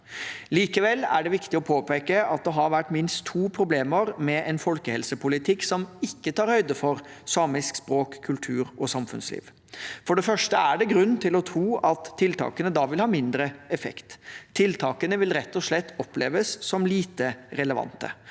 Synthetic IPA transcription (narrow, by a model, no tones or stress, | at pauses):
liːkəʋɛlːæ̰ɖɛʋɪkt̪ɪɔpʰoːpeːkəɑt̪̚d̪ɛɦɑɾʋæʈːmɪnst̪ʰːuːpʰɾʊbleːməɾmɛʔɛnfɔlkəhɛlsəpʊlɪt̪ʰɪksɔmɪkːət̪ʰɑːɾhœʏd̪əfɔɾsɑːmɪskspɾoːkʰːʉlt̪ʰʉːɾɔsɑmfʉ̰nslḭːʋ | fɔɖɛfœʂʈəæɖɛɡɾʉnːt̪ʰɪlɔt̪ʰɾuːʔɑt̪ʰːɪlt̪ʰɑ̰ːkənəd̪ɑʋɪlhɑːmɪnd̪ɾəɛfɛ̰kt̪ʰːɪlt̪ʰɑːkənəʋɪlɾɛt̪ːɔʂɭɛt̪ːɔplḛːʋəsːɔmliːt̪əɾɛləʋɑ̰nt̪ə̰